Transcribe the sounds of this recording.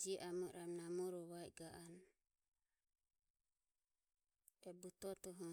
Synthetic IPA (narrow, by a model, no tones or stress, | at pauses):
d͡ʒiʔamɔɾamnamɔɾɔwajɡaʔan | ɛbut̪ɔt̪ɔɦɔ